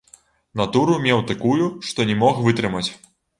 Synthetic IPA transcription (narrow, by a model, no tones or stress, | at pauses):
nat̪uɾumʲɛwt̪akujuʂt̪ɔnʲɛmɔxvɨt̪ɾɨmɐt͡sʲ